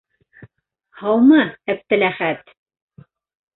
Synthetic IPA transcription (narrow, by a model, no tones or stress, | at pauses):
hɑwmɤæ̆p̚t̪ɘ̆læχæt̪